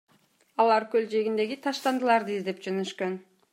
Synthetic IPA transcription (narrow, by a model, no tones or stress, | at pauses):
ɑlˠɑɾkøld͡ʒe̞ɡind̪e̞ɡit̪ʰɑʃt̪ɑnd̪ɯlˠɑɾd̪ɯizd̪e̞pd͡ʒønøʃkøn